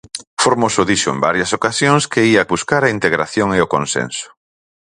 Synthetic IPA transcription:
foɾmosʊðiʃʊḛmba̰ɾjɐsokasjoŋskeiaβuskaɾaint̪eɣɾaθjoŋeokonsḛnsʊ̥

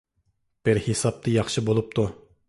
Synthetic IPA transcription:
b̥ɪɾhisɑp̚t̪ʰɨjɑχʃɨbolˠup̚t̪ʰu

